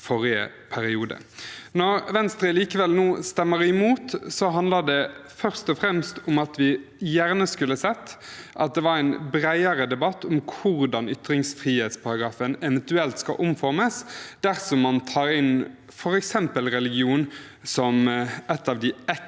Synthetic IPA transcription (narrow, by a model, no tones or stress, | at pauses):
fɔɾɪə̰ | pʰæɾɪuːd̪ə̰nɔɾʋɛnst̪ɾəliːkəʋɛlnuːst̪ɛmːəɾɪmuːt̪sɔɦɑnd̪ləd̪ɛfœʁst̪ɔfɾɛmst̪ʊmɑt̪ʋɪjæʁnəskʉlːəsɛt̪ːʔɑt̪̚d̪ɛʋɑɾæɪnbɾæɪəɾəd̪ɛbɑt̪ːɔmkʰʊɾd̪ɑnʏt̪ɾɪŋsfʁiːheːt̪spʰɑɾɑɡɾɑːfənɛʋɛnt̪ʉɛlt̪skɑ̰ʔʊmfɔɾməsd̪æʁsɔmːɑnt̪ʰɑːɾɪn | fɔɾɛksɛmpəlɾɛlɪɡɪuːn | sɔmɛt̪ːɑːʋd̪ɪɛ